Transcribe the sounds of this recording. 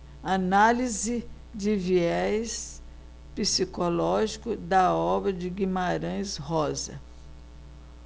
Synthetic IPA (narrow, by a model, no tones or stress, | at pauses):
analizɪ | d͡ʒɪviɛs | pisikolɔʒikʊd̪ɐɔbɾɐd͡ʒɪɡimaɾɐ̃j̃shɔzɐ̰